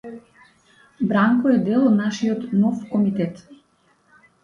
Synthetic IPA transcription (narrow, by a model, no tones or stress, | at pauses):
bɾaŋkɔɛd̪ɛlˠɔd̪naʃiɔt̪nɔfkɔmit̪ɛt̪